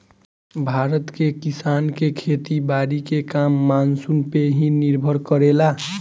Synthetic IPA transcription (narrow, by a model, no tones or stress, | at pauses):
bʱaɾət̪kekisankekʰet̪ibaɾikekamːansunpeɦĩniɾbʱəɾkəɾela